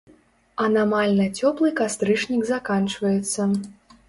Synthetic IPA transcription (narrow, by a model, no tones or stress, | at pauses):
ɐnamalʲnɐt͡sʲɔplˠɨkast̪ɾɨʂnʲiɡzakant͡ʂvɐjɛt̪sːɐ